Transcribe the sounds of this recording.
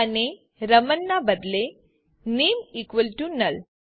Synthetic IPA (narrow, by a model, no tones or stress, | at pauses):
ane | ɾəmənːabəd̪le | nimikʋəlʈunəl